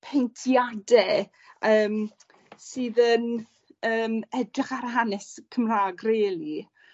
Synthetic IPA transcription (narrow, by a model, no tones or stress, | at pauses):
pʰejntʰjadɛ | əːm | sɨːðən | əːmɛdrɪχaɾɦanɛskʰəmraːɡreːlˠi